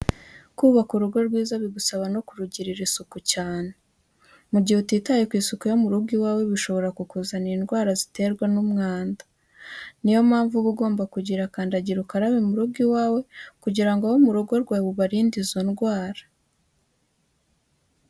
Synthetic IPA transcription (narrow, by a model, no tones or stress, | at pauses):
kuːβakuɾuɡo̞ɾɡwiːzaβiɡusaβano̞kuɾuɟiɾiɾisukucaːne | muɟihutiːtajekwiːsukujo̞muɾubɡiwaːwe̞βiʃo̞βo̞ɾakukuzaniːnɡwaːɾazite̞ɾɡwanumŋaːndḁ | nijo̞mhaːɱvuβuɡo̞ːmbakuɟiɾakaːndaɟiɾukaɾaβimuɾub̚ɡiwaːwe̞kuɟiɾaŋɡawomuɾuɡo̞ɾɡwaːβuβaɾiːndizo̞nɡwaːɾḁ